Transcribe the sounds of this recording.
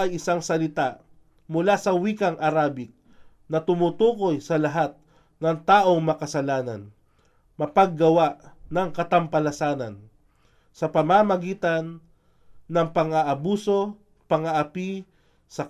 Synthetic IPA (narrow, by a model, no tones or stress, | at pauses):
ɐjʔɪsaŋsɐlɪt̪aʔ | mʊlasɐwiːkɐŋʔɐɾaːbɪk̚ | nɐt̪ʊmʊt̪uːko̞jsɐlɐɦat̪̚ | nɐŋt̪aːʔo̞ŋmɐkɐsɐlaːnɐ̰n | mɐpɐɡːɐwaʔnɐŋkɐt̪ɐmpɐlɐsaːnɐ̰n | sɐpɐmamɐɡiːt̪ɐnː | ɐŋpɐŋɐʔɐbuːso̞ | pɐŋɐʔɐpi | sɐ